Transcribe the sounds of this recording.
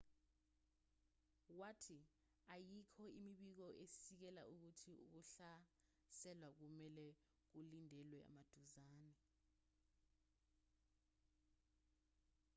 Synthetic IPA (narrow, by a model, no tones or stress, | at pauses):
watʰi | ajikʰɔimiɓik̬ɔʔesik̬ɛlaʔuk̬utʰiṵk̬uɬa | sɛlwak̬umɛlɛ | k̬ulindʱɛlwɛa̰mad̥ʱuzaːnɛ